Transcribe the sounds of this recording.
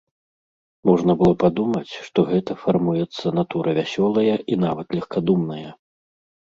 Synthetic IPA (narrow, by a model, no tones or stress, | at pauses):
mɔʐnɐbɨlˠɔpad̪umɐt͡sʲʂt̪ɔɣɛt̪ɐfarmujɛt̪sːɐnat̪uɾɐvʲasʲɔlˠɐjɐʔin̪avɐt̪lʲɐxkad̪umnɐjɐ